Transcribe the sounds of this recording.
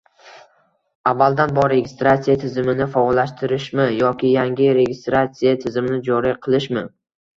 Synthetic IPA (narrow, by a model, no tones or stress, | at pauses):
avːalˠd̪anbɒɾe̞ɡʲɪst̪ɾat̪sijat̪ʰɪzɪmɪnɪfɒlaʃt̪ʰɪɾɪʃmɪjɒkʲɪjaŋɡʲɪɾe̞ɡʲɪst̪ɾat̪sijat̪ʰɪzɪmnɪd͡ʒɒɾiqʰɨlˠɪʃmɪ